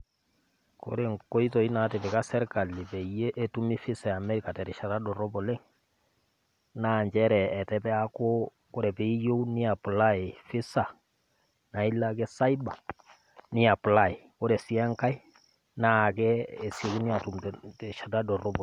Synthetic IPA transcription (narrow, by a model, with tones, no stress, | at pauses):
ko̰˨˦ɾe˨ŋko˦i˦tɔ˨i˦na˨tɛ˨pɛ˨ka˦sɛ˦ɾka˨lːɪ˨pɛ˨je˦ʔːtu˦mi˦fɪ˦sa˨ja˨mɛ˦ɾi˨ka˨tɛ˨ɾɛ˨ʃa˨ta˦dɔ˨ɾɔ˦bɔ˨le˦ŋ | na˦˨ɲd͡ʒɛ˦ɾɛː˨tɛ˦pɛ˦a˦ko˦ | ko˦ɾɛ˨pe˨i˦jo˦u˦nɪ˦a˨pu˨la˦e˨fɪ˦sa˨ | na˨i˦la˦k̬ɛ˦sa˦i˦ba˨ | nɪ˦a˨pla˦˨e˨ko˦ɾɛ˨si˦ɛ˦ŋka˦i˦ | na˦˨kɛː˦˨se˨˦ku˦ni˦a˨tu˨mttɛʃa˨da˦dɔ˨ɾɔ˦b